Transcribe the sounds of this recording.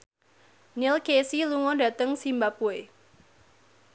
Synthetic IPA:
nilkesiluŋɔda̤t̪əŋsimbapue

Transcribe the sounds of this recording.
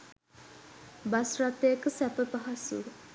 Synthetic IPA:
basrat̪ːeəkəsæpəpaɦasṵ

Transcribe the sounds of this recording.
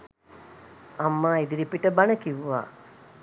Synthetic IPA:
amːaːid̪iɾipiʈəbanəkiʋʋa̰ː

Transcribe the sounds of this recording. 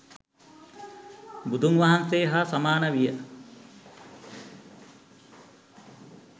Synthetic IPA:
bud̪ʱuŋʋaɦanseːɦasamaːnəʋijə

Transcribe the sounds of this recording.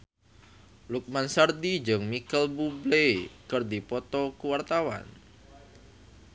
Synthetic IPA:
luk̚mansard̪id͡ʒəŋmikəlbublekərd̪ipɔt̪ɔkuwart̪awa̰n

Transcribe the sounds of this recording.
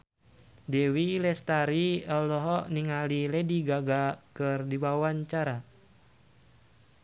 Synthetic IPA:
dɛwilɛst̪aɾiɔlɔɦɔniŋalilɛdiɡaɡakɨrdiwawaɲt͡ʃaɾa

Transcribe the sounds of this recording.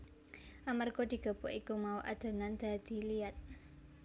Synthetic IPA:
ʔamarɡod̪̥i̤ɡ̥ə̤boʔikumauʔa̰d̪̥ə̤nand̪̥a̤d̪̥i̤liat̪̚

